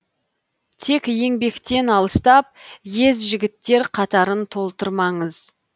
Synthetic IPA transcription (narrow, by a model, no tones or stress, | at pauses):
t̪ʰe̞kje̞ŋbe̞kt̪e̞nɑlˠəst̪ɑp̚je̞zʒɪɡʲɪt̪ːe̞ɾqʰɑt̪ɑɾənt̪ʰo̞lˠt̪əɾmɑɴəz